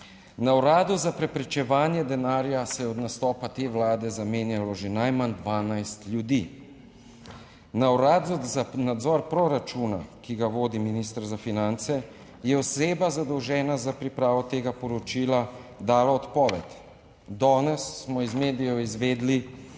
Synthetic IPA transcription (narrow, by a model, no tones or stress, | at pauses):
nawɾaːd̪uzapɾɛpɾɛt͡ʃɛʋaːnjɛd̪ɛnaːɾjasɛjɛɔd̪nast̪ɔːpat̪eːʋlaːd̪ɛzameːnjalɔʒenajmand̪ʋaːnajst̪lʲjud̪i | nawɾaːd̪zɔzanad̪zɔɾpɾɔɾat͡ʃuːna̰kiɡaʋoːd̪iminist̪ɾzafinant̪sɛ | jɛɔseːbazad̪ɔwʒɛːnazapɾipɾaːʋɔt̪eːɡapɔɾɔt͡ʃiːlad̪aːlaɔt̪pɔːʋɛt̪ | d̪ɔːnɛsːmɔizmeːd̪ijɔizʋeːd̪li